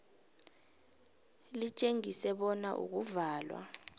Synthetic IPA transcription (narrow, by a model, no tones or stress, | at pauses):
lit͡ʃʼeŋisɛɓɔnaʔṵk̬uvaːlwa̰